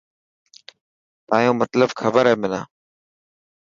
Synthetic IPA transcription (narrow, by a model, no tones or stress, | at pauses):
t̪aːjõːmət̪ləbxʰəbəɾɦeːmɪlã̰ː